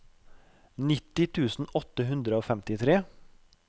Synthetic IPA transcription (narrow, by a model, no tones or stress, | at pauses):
nɪt̪ɪt̪ʰʉːsn̩ɔt̪ːəɦʉnd̪ɾəoːfɛmt̪ɪt̪ʰɾeː